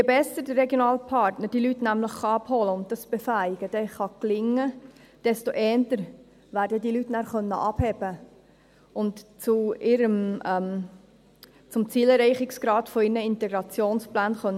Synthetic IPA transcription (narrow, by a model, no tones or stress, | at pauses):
jɛbɛsədərːɛɡjonɑːlpʰɑɾtnəɾd̥ilytnæmləχːɑɑpholəʊnt̚d̥ɑsb̥efæɡ̥əd̥ɛχɑklɪŋːə | d̥ɛstoʔɛːntəɾ | ʋæːɾdədilytnæːɾχœnːə̰ʔɑb̥hɛb̥ə | ʊntt͡suɪɾəmɛm | t͡sʊmt͡siːlɛrɛɪχɪksɡ̥ɾɑːtfoɪɾnəɪntɛɡɾɑt͡sjoːnsplæːnχœnː